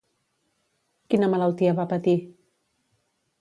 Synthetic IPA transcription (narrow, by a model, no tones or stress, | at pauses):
kinəmələlˠt̪iəβapət̪i